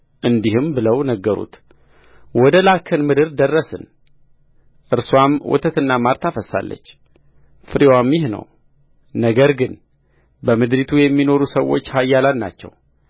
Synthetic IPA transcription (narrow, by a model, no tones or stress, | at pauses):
ʔɨnd̪ihɨmbɨləwnəɡːəɾṵt̪ | wɔd̪əlakʰːənmɨd̪ɨɾd̪ərːəsɨ̰n | ʔɨɾswamwɔ̰t̪ʰət̪ɨnːamaɾt̪ʰafəsːa̰lːə̰t͡ʃː | fɨɾiwamjɪhnə̰w | nəɡəɾɡɨn | bəmɨd̪ɾit̪ʰujɛmːino̞ɾusəwːo̞̰t͡ʃːhajːalat̪na̰t͡ʃːɛ̰w